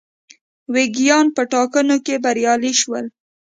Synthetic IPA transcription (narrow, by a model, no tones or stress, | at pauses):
weɡijɑnpəʈɑkənokebaɾjɑliʃwəl